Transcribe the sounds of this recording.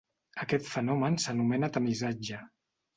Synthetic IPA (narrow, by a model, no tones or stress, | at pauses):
əkɛt̪fənɔmənsənumɛnət̪əmizad͡ʒə